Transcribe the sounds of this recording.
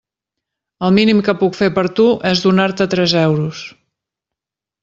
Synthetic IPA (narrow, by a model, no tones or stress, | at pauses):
əlˠminimkəpukfepəɾt̪uʔɛzðunaɾt̪ət̪ɾɛzɛwɾus